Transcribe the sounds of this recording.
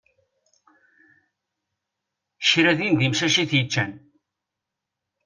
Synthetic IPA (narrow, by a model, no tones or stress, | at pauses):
ʃɾæðind̪imʃæʃiθjət͡ʃːæn